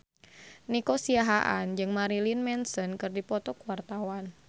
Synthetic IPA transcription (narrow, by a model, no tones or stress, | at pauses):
nikosiaɦaʔand͡ʒɨŋmaɾilinmɛnsənkɨrdipɔt̪ɔkwart̪awan